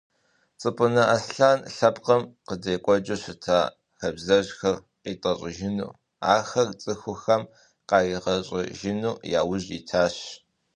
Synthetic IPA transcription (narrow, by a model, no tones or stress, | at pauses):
t͡sʼɨpʼʊnɐʔɐsɬaːnɬɐpqɐmqədɐjkʷʼɔd͡ʒʼɐɕɪtʰaː | xɐbzɐʑxɐr | qiːtʼɐɕʼɪʒɪnṵː | a̰ːxɐrt͡sʼɨxʷʊxɐm | qɑːjiʁɐɕʼɪ̰ʒɪnuːjaːwʊʑitʰaːɕ